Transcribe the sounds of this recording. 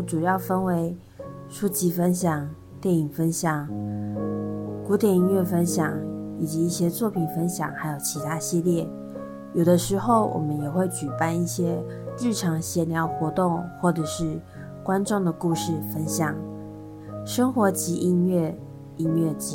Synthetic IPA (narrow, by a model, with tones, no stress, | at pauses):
ʈ͡ʂu˨˩jɑ˥˩ʊfə˥nwe˧˥ɪ | ʂu˥˩t͡ɕi˧˥fə˥nɕjɑ˨˩ŋ | t̪jɛ˥˩ni˨˩ŋfə˥nɕjɑ˨˩˦ŋ | ku˧˥t̪jɛ˨˩ni˧˥nɥɛ˥˩fə˥nɕjɑ˨˩ŋi˨˩t͡ɕi˧˦i˥˩ɕjɛ˥t͡swɔ˥˩pʰi˨˩nfə˥nɕjɑ̰˨˩ŋxa˧˥ɪjo˨˩ʊt͡ɕʰi˧˥t̪ʰa˥ɕi˥˧ljɛ˥˩ | jo˨˩ʊd̪ə˦ʂɻ̩˧˥xo˥˩ʊwʔɔ̰˨˩mə˦njɛ˨˩xwe˥˩ɪt͡ɕy˨˩pa˥˧ni˥˩ɕjɛ˥ | ɻɻ̩˥˩ʈ͡ʂʰɑ˧˥ŋɕjɛ˥˩nljɑ˧˥ʊxwɔ˧˥t̪ʊ˥˧ŋxwɔ˥˩ʈ͡ʂɤ˨˩ʂɻ̩˥˩ | kwa˥nʈ͡ʂʊ˥˩ŋd̪ə˩ku˥˧ʂɻ̩˥˩fə˦˥nɕjɑ˨˩ŋ | ʂə˥ŋxwɔ˧˥t͡ɕi˧˥ʔi˥nɥɛ˥˩ | i˥nɥɛ˥˩t͡ɕ